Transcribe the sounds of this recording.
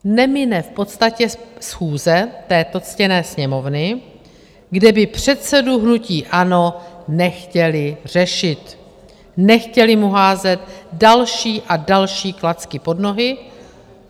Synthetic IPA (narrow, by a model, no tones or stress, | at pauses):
nɛmɪnɛfpo̞t̪st̪acɛsxuːzɛt̪ɛːt̪o̞t͡scɛnɛːsɲɛmo̞vnɪ | ɡdɛbɪpr̝̥ɛt̪sɛduɦnuciːʔano̞nɛxcɛlɪr̝̥ɛʃɪt̪ | nɛxcɛlɪmuɦaːzɛt̪dalʃiːʔadalʃiːklat͡skɪpo̞dno̞ɦɪ